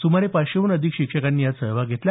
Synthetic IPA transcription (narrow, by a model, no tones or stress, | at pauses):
sumaɾepaɕeunəd̪ʱikɕikʂəkanːiːjasəɾʋaɡʱet̪l